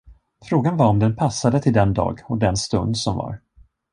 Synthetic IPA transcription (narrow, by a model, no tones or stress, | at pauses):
fɾoːɡanvaɾɔmd̪ɛnpʰasːad̪ət̪ʰɪld̪ɛnd̪ɑ̰ːɡɔd̪ɛnst̪ɵ̰nd̪sɔmva̰ɾ